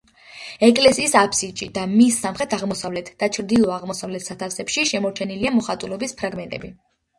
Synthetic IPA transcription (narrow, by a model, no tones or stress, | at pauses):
ɛkʼlɛsiːsapʰsit͡ʃʼid̪amisːamχɛt̪ʰaʁmɔsavlɛt̪ʰd̪̥at͡ʃʰɾd̪ilˠɔaʁmɔsavlɛt̪ʰsat̪ʰafsɛpʃiʃɛmɔɾt͡ʃʰɛniliamɔχat̪ʼulɔbispʰɾaɡmɛnt̪ʼɛ̰bi